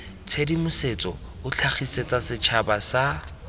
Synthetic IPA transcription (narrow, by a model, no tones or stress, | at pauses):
t͡sʰedimʊset͡sʼɔ̰ | ʊt͡ɬʰaχʰiset͡sʼasɪt͡ʃʰabasa